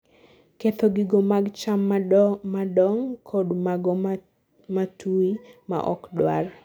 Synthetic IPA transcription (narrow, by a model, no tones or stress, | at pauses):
ket̪oɡɪɡomaɡt͡ʃamːmadɔŋkʰodmaɡɔ | matʰuima̰ʔɔ̰kdwar